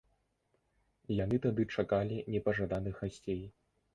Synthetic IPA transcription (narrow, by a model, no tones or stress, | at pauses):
jan̪ɨt̪ad̪ɨt͡ʂakalʲinʲɛpɐʐad̪anɨxɣasʲt͡sʲej